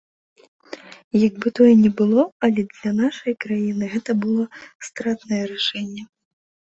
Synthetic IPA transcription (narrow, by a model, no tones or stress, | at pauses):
jaɡ̚bɨt̪ɔjɛnʲɛbɨlˠɔɐlʲɛd̪lʲɐnaʂɐjkɾajinɨɣɛt̪ɐbɨlˠɔst̪ɾat̪nɐjɛɾaʂɛnʲːɛ